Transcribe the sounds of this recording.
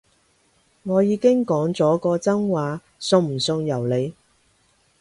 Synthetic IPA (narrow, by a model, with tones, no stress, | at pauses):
ŋɔː˨˧jiː˨˧kɪ˥ŋkɔː˨˥ŋt͡sɔː˨˥kɔː˧t͡sɐ˥ŋwaː˨˧ | sʊ˧ŋm̩˨˩sʊ˧ŋjɐ˨˩wle˨˧j